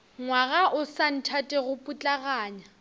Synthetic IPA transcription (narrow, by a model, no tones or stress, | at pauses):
ŋwaɣaʔʊsan̩tʰatʼɛɣʊpʼut͡ɬʼaɣaːɲa